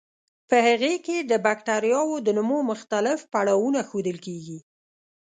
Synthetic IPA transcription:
pəhaɣeked̪əbakʈaɾjɑwod̪ənʊmomʊxt̪alɪfpaɽɑwunaxod̪əlkeɡi

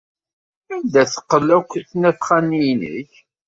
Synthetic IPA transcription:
æmd̪æθə̥qːəlːækʷːəθnæθχænːijnə̰ç

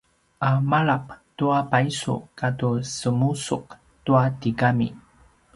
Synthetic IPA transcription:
amaɭap̚tuapaisṵkatusəmusuk̚ | tuatiɡamḭ

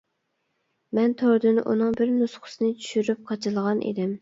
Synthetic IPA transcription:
mɛnt̪ʰoɾd̪ɨnʔṵnɨŋbɪɾnusχʰʊ̥sɨnɪt͡ʃʰy̥ʃyɾyp̚qʰɑt͡ʃʰɨlˠʁɑnʔḛd̪ɪm

